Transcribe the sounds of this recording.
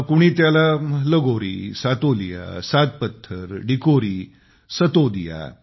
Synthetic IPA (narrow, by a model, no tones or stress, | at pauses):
kuɽ̃iːt̪jalaləɡoɾisat̪olija̰sat̪̚pət̪ʰːəɾɖikoɾiː | sət̪od̪ija̰